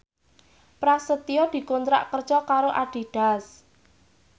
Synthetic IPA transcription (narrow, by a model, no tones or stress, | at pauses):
pɾasət̪ijɔd̪̥i̤kont̪ɾa̰ʔkər̥ʒ̥ɔkaɾoʔaɖ̥i̤ɖ̥a̤s